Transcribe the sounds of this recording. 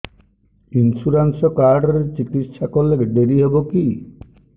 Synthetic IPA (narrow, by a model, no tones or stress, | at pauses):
insuɾansɔkaɾɖɔɾeɾt͡ʃikit̪ʃakoleɖ̪eɾiɦeboki